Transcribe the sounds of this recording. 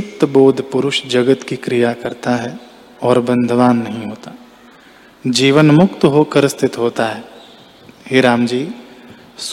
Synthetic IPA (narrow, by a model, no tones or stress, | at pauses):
ʊk̚t̪boːd̪ʱpʊɾʊʃd͡ʒɐɡət̪kikɾijakɐɾt̪aɦɛ | ɔːɾbɐ̃nd̪ʱəʋaːnːɐɦĩɦoːt̪aː | d͡ʒiːʋənmʊkt̪ɦoːkɐɾəst̪ʰɪt̪ɦoːt̪aɦɛː | ɦeɾaːmd͡ʒiː | s